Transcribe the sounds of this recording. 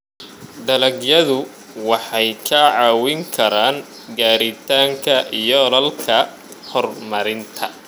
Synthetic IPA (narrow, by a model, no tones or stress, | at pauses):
d̪ɐlɐɡjɐðʊ | wɑħɑjkʰɐʕɑːwɪŋkʰɐɾaːn | ɡaːɾɪt̪ʰaːŋkʰɐʔijɔlɐlkʰɐ | hɔrmɐɾɪnt̪ʰɐ